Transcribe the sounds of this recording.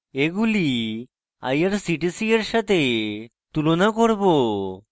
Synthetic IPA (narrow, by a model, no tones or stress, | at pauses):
eɡuli | a̰jəɾsiʈisiəɾɕat̪e | t̪ulonakɔɾbo